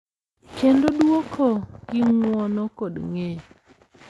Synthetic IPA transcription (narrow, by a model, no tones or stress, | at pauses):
kendodwokʰoɡ̥ɪŋwɔnɔkodŋe